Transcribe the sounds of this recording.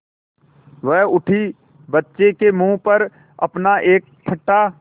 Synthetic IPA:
ʋɛɦʊʈʰi | bətːʃekemũːpəɾ | ɐ̰pnaʔeːk̚ʈʰɪʈːa

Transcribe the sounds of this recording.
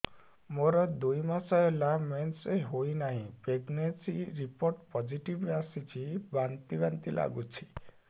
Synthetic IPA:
moɾɔd̪ujmasɔɦelamenseɦojnaɦĩpɾeɡnensiɾipoɾʈpɔd͡ʒiʈibasit͡ʃʰibant̪ibant̪ila̰ɡut͡ʃʰi̥

